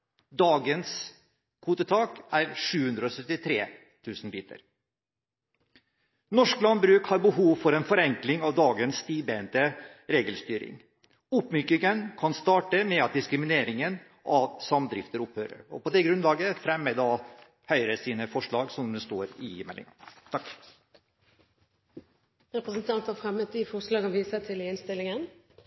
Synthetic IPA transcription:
d̪ɑːɡəns | kʰuːt̪ət̪ʰɑːkæɾʂʉːhʉnd̪ɾəɔsœt̪ɪt̪ʰɾeː | t̪ʰʉːsnbiːt̪ə̰ɾ | nɔʂklɑnbɾʉːkhɑɾbəhuːʋfɔɾɛnfɔɾɛŋklɪŋɑʋd̪ɑːɡənsːt̪iːbent̪əɾeːɡəlst̪yːɾɪ̰ŋ | ʊpːmykɪŋənkʰɑnst̪ɑːʈəmɛɑt̪̚d̪ɪskɾɪmɪneːɾɪŋən | ʔɑʋsɑmd̪ɾɪft̪əɾʊphøːɾə̰ɾɔ̰pɔd̪ɛɡɾʉnlɑːɡəfɾɛmːəd̪ɑ | hœʏɾəsiːnəfɔʂɭɑːɡsɔmd̪ɛst̪oːɾɪɪmɛlɪ̰ŋɑ̰t̪ʰɑk | ɾɛpɾəsənt̪ʰɑnt̪ɑfɾɛmət̪ʰifɔslɑːɡɑnʋiːsət̪ʰɪlɪnst̪ɪlːɪŋən

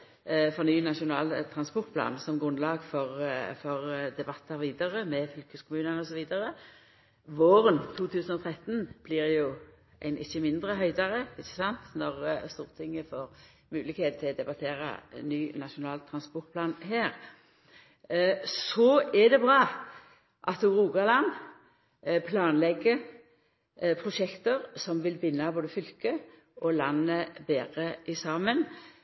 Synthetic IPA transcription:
fɔʁnyːnɑʂʊnɑːlt̪ʰɾɑnspɔʁt̪pʰlɑ̰ːnsɔmɡʁʉnlɑːɡfɔʁfɔʁd̪ɛbɑt̪ʰːɑɾʋiːd̪ɑʁəmɛfʏlkəskʰʊmʉːnənəɔsɔʋiːd̪əʁə | ʋoːʁənt̪ʰuːt̪ʰʉːsənɔt̪ʰɾɛt̪ːnb̥liʁjʊ | ʔæ̰ɪnɪçːəmɪnd̪ʁəɦœʏd̪ɑʁəɪçːəsɑnt̪nɔʁst̪uːʁt̪ʰɪŋːəfoːʁ | mʉːlɪkheːt̪t̪ʰːɪld̪ɛbɑt̪ʰeːʁə̰nyːnɑʃʊnɑːlt̪ʰɾʁɑnspɔʁt̪̚pʰlɑːnɦeːʁ | sɔɛd̪ɛbʁɑː | ʔɑt̪ʊʁuːɡɑlɑn | pʰlɑːnlɛɡːə | pʰʁʊʃɛkt̪əʁsɔmʋɪlbɪnːɑboːd̪əfʏlkə | ʔɔlɑnːəbeːʁəʔɪsɑːmən

